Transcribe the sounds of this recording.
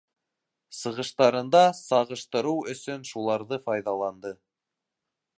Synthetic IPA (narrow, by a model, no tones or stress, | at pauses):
sɤ̆ʁɤ̆ʃt̪ɑɾɤ̆nd̪ɑsɑʁɤ̆ʃt̪ɤ̆ɾuwɵ̆sɵnʃulˠɑɾðɤfɑjðɑlˠɑnd̪ɤ